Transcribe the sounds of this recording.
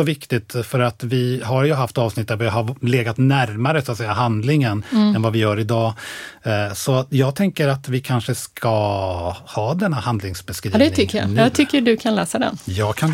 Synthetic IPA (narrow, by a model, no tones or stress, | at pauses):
ɔvɪkt̪ɪt̪fœɾat̪vɪɦaɾjɵɦaft̪ɑːvsnɪt̪̚ːd̪æɾvɔɦaleːɡat̪næɾmaɾəsat̪sɛjːaɦand̪lɪŋənɛnvavɪjœːɾɪd̪ɑː | sɔjɑːɡ̚t̪ʰɛŋkəɾat̪vɪkʰanʂəskʰa | hɑːd̪ɛnːahand̪lɪŋsbɛskɾiːd̪ɛnʰʏkːəja̰ɑːɡt̪ʰʏkːəɖɵkʰanlɛːsad̪ɛ̰njɑːɡkʰan